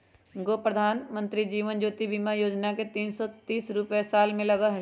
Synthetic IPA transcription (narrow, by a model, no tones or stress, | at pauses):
ɡoːpɾəd̪ʱaːnmə̃nt̪ɾid͡ʒiːʋənd͡ʒoːt̪ibiːmajoːd͡ʒnaket̪iːnsɔt̪iːsɾʊpesaːlmẽlɐɡaɦɛ